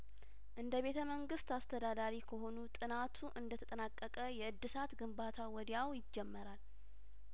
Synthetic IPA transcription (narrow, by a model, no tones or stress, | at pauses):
ʔɨnd̪əβe̞t̪ʰəməŋɡɨst̪ast̪ʰəd̪ad̪aɾikʰəɦo̞nut̪ʼɨnat̪ʰuʔɨnd̪ət̪ʰə̥t̪ʼənakʼːəkʼəjɛɨd̪ːɨsat̪ɡɨmbat̪ʰawɔd̪jawjɪd͡ʒːɛmːəɾal